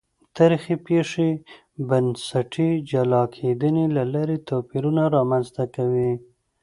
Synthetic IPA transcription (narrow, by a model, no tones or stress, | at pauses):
t̪aɾxipeʂe | bansaʈʰid͡ʒalɑkʰed̪ənelalaɾet̪opiɾunaɾɑmanzt̪akawi